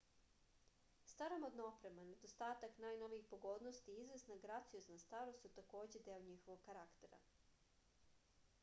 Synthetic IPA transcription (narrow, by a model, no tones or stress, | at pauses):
st̪aɾomod̪naopɾe̞mane̞d̪ost̪aːt̪aknaːjno̞ʋiixpoɡo̞d̪nost̪iizʋesnaɡɾat̪sijoznast̪aɾost̪ut̪ako̞ːd͡ʑe̞d̪eoɲixo̞ʋo̞ɡkːaɾakt̪e̞ɾa̰